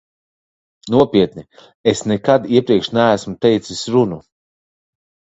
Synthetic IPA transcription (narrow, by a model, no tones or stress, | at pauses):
nuɔpʲiɛt̪ni | esnɛkad̪iɛpɾiɛkʃnæːsmut̪ɛjt̪sisʲɾunu